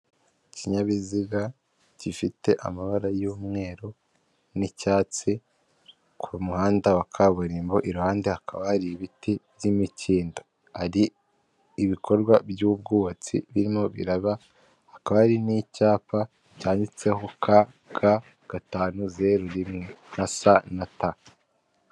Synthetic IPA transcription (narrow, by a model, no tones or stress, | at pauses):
ciɲaβiziɡa | cifite̞ʔa̰maβaɾajuːmŋe̞ːɾo | nicaːt͡si | kʰumuhaːndawakʰaβuɾimbo̞ʔiɾuhaːnde̞hakʰaβahaɾiβitibjimicʰiːndo | haɾiː | βikʰo̞ɾɡwabjub̚ɡuːβat͡sḭβiɾimo̞βḭɾaβa | hakaβahaɾinicaːpa | caːɲdit͡se̞ɦokʰa | ɡ̥a | ɡ̥ataːnuze̞ɾuɾimŋenasanata